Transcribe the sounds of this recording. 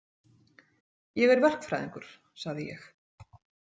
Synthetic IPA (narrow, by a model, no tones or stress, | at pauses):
jɛɣɛɾvɛr̥kfɾa̰jðiŋkʏɾ̥ | saɣðɪjɛ̰x